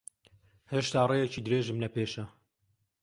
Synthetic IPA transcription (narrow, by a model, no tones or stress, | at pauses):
heːʃt̪aːrejɛt͡ʃiːd̪ɨɾeːʒɨmlɐpʰeːʃɐ